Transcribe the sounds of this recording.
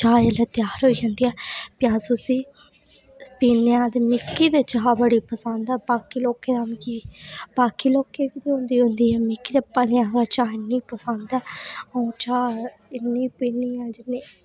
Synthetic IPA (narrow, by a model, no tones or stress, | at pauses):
t͡ʃaːelɛːt̪jaːɾɦoːiːd͡ʒãːnd̪iːɛːpɪjãːsʊsiː | piːnãːd̪emɪkːiːd̪eːt͡ʃaːbəɽiːpəsənd̪ɛːbaːkiːloːkeːd̪aːmkiːbaːkiːloːkeːkid̪iːɦõnd̪iːɦʊ̃nd̪iːɛːmɪkːiːd̪eːpəljãːɡaːt͡ʃaːɪnːĩːpəsənd̪ɛːəũːt͡ʃaː | ɪnːĩːpiːniːãːd͡ʒɪnːiː